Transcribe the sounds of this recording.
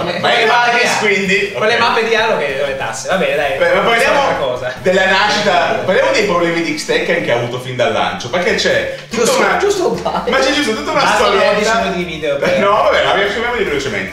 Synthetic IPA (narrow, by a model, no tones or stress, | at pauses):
aevaɡiskwind̪iaɾljamampːed̪jalokelovent̪a̰sːevabɛːned̪ajpɛmapːaɾljaːmoakɔːzad̪elːanaʃːit̪apaɾljaːmod̪ejpɾoblɛːmid̪ikst̪ɛkːeankeaːvuːt̪ofind̪alːa̰nt͡ʃoperket͡ʃɛ | t̪ut̪ːnad͡ʒust̪ofa̰mat͡ʃːɛd͡ʒust̪ot̪ut̪ːaunast̪ɔɾaisonod̪iviːd̪eopnɔvabɛmajasumjamolivelot͡ʃemḛnt̪e